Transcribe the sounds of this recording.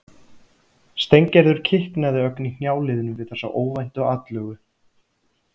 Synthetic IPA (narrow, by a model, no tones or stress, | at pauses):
st̪ejɲcɛɾðʏɾ̥cʰɪhknaðɪœknin̥jaːwlɪːðʏnʏmvɪðθɛsa̰ʔoːwvajn̥t̪ɔɣat̪lœːɣʏ